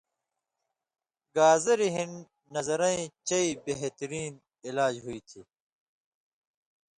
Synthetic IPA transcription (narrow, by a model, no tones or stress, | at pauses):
ɡaːzɐɾiɦin | nɐzɐɾɐ̃ĩt͡ɕɐibeɦt̪ɐɾiːn | ilaːd͡ʑɦuit̪ʰiː